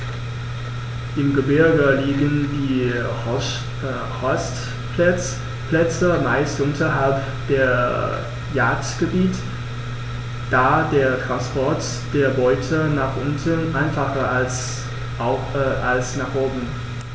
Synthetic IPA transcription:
ʔɪmɡəbɪɐɡəliːɡəndiː | ʁɔst | pɛt͡s | plɛt͡səmaɪstʔʊntʰɐɦalp | d̥eːɐ | jaːtɡ̥əbiːt | d̥aːdeːɐtʁ̥anspʰɔɐt | d̥eːɐbɔʏtʰənaːχʔʊntənʔaɪnfaχɐals | ʔalsnaːχʔoːbm̩

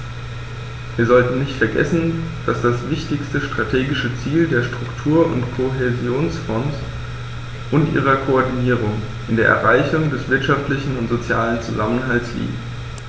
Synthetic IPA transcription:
viːɐzɔltn̩nɪçtfɛɐɡɛ̰sn̩d̥asd̥asv̥ɪçtɪçstəʃtʁ̥atʰeːɡɪʃət͡siːldeːɐʃtʁ̥ʊktʰuːɐʊ̰ntkʰoɦezjoːnsfɔns | ʔʊntʔḭːʁ̞ɐkʰoɔɐdiniːʁ̞ʊŋ | ʔɪndeːɐʔɛ̰ɐʁaɪçʊŋdɛsv̥ɪɐtʃaftlɪçn̩ʊntz̥ot͡sjaːlənt͡suzamənɦaltslḭːɡt

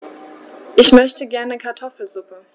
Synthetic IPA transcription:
ʔɪçmœçtəɡɛɐnəkʰaɐtʰɔfl̩zʊpə

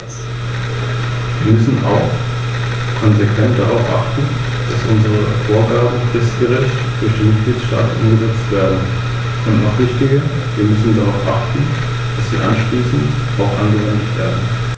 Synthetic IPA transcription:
viːɐmʏsn̩ʔa̰ʊx | kʰɔnzekv̥ɛntd̥aʁaʊfʔaχtn̩ | d̥asʔʊnzəʁəfoːɐɡaːbm̩fɪstɡ̥əʁɪçtd̥ʊɐçd̥eːnmɪt̚ɡ̥liːtʃta̰ːtn̩ʔʊ̰mɡəzɛt͡stv̥eːɐdn̩ | kʰɔnnɔχv̥ɪçtɪɡə | viːɐmʏsn̩daʁaʊfʔaχtn̩ | d̥asz̥ḭːʔa̰nʃliːsn̩t | ʔaʊxʔanɡəvɛndɪçtv̥ḛːɐdn̩

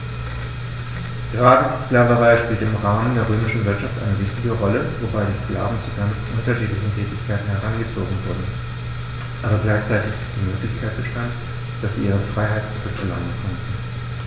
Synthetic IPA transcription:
ɡ̥əʁaːdədiːsklaːvəʁaɪʃpiːltɪmʁaːməndeːɐʁ̞øːmɪʃn̩vɪɐtʃaftʔa̰ɪnəvɪçtɪɡəʁɔləvobaɪdiːskla̰ːvn̩t͡suɡant͡sʔʊntɐʃiːtlɪçn̩tʰɛːtɪçkʰaɪtn̩hɛʁanɡət͡soːɡŋ̩vʊɐdn̩ | ʔaːbɐɡlaɪçt͡saɪtɪçɡ̥iːp̚d̥iːmøːklɪçkʰaɪt̚b̥əʃtant | d̥asz̥iːʔiːʁəfʁ̥aɪɦaɪt̚t͡suʁʏkɛ̰la̰ŋənkʰɔntn̩

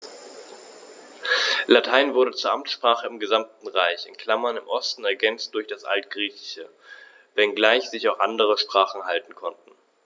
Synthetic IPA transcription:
latʰaɪnvʊɐɾət͡suːɐʔamtʃpʁ̥aːχəɪmɡəzamtn̩ʁaɪçɪ̰nkʰl̥amɐnɪmʔɔstn̩ɛɐɡɛnt͡st̚d̥ʊɐçd̥asʔa̰ltɡ̥ʁiːçɪ̥çə | vɛnɡlaɪçz̥ɪçaʊxʔandəʁ̞əʃpʁ̥aːχn̩haltn̩kʰɔntn̩

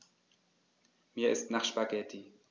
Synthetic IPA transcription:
miːɐɪ̰stnaχʃpaɡɛtʰi

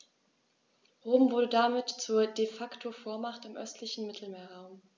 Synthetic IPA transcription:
ʁoːmvʊɐɾədamɪtt͡suːɐdefaktʰofoːɐmaχtɪmʔœ̰stʰlɪçn̩mɪtʰl̩meːɐʁaʊm

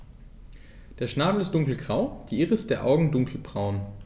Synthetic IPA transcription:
d̥eːɐʃnaːbl̩ɪstd̥ʊŋkl̩ɡʁaʊd̥iːʔɪːʁəɪstd̥eːɐʔa̰ʊɡŋ̩dʊŋkʰl̩bʁaʊn

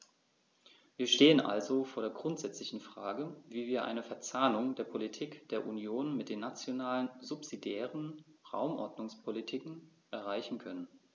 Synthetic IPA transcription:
viːɐʃteːənʔa̰lzofoːɐɾeːɐɡʁʊntz̥ɛt͡slɪçn̩fʁ̥aːɡəviːviːɐʔa̰ɪnəfɛɐt͡saːnʊŋdeːɐpʰolitʰiːkd̥eːɐʔunjoːnmɪt̚d̥eːnːat͡sjonaːlənzʊpz̥idjɛːʁənʁa̰ʊmʔɔ̰ɐdnʊŋspʰolitʰiːkŋ̩ | ʔɛɐʁaɪçn̩kʰœnən

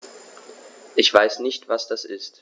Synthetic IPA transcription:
ʔɪçv̥aɪsnɪçtv̥asd̥asʔɪst

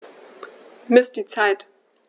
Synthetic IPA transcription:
mɪsd̥iːt͡saɪt

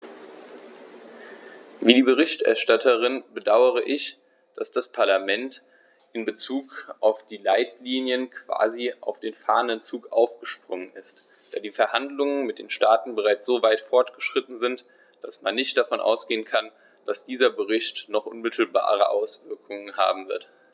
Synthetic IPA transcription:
viːdiːbəʁɪçtʔɛ̰ɐʃtatʰəʁ̞ɪnbədaʊəʁ̞əʔɪç | d̥asd̥aspʰaɐlamɛnt | ʔɪnbət͡suːkʔaʊfd̥iːlaɪtliːnjənkv̥a̰ːziʔa̰ʊfd̥eːnfa̰ːɐənənt͡suːkʔa̰ʊfɡ̥əʃpʁ̥ʊŋənɪst | d̥aːdiːfɛɐhandlʊŋənmɪt̚d̥eːnʃtaːtn̩bəʁaɪt͡sz̥oːvaɪtfɔɐtɡ̥əʃʁ̥ɪtn̩zɪnt | d̥asmanːɪçt̚d̥afɔnʔa̰ʊsɡ̥eːənkʰan | d̥asd̥iːzɐbəʁɪçtnɔχʔʊ̰nmɪtʰl̩ba̰ːʁ̞ə̰ʔaʊsv̥ɪɐkʰʊŋənha̰ːbm̩vɪɐt

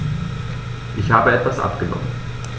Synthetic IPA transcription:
ʔɪçhaːbəɛtv̥asʔa̰pɡ̥ənɔ̰mən

